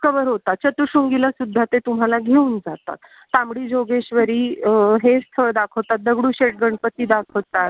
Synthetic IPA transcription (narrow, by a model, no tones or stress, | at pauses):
kəbəɾɦot̪at͡ɕət̪uɕuŋɡilasud̪ʱːat̪et̪um̤alaɡʱeund͡zat̪a̰t̪ːamɽiːd͡ʑoɡeɕʋəɾiːɦest̪ʰəɾd̪akʰəwt̪at̪̚d̪əɡɽũːɕeʈ̚ɡəɳɖpət̪ːiːd̪akʰəwt̪at̪